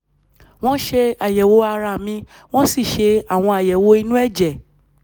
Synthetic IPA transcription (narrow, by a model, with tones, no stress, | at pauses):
w̃ɔ̃˦ʃe˧a˨jɛ˨wo˧˦a˧ɾa˧˨mĩ˧˦ | w̃ɔ̃˦si˦˨ʃe˧a˨w̃ɔ̃˧a˨jɛ˨wo˧˦i˧nũ˦ɛ˦˨d͡ʒɛ˨